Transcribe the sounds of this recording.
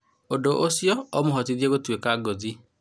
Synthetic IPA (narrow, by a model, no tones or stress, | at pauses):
odoʔosjɔɔmoɦɔtiðjeɣotwekaɡɔzi